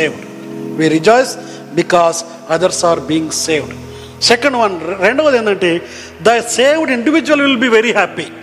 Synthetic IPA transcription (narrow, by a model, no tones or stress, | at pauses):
eːʋɖ | ʋiɾid͡ʒɔɪs | bikɔːs | ɐd̪ɐɾsaːɾbiːɪ̃ŋɡseːʋɖ | sɛkɐ̃ɳɖʋɐ̃nɾeɳɖoːʋɐd̪ẽnd̪ɐɳʈe | d̪ɐseːʋɖĩɳɖiʋid͡ʒuʋɐlʋɪlbiʋeɾihæpi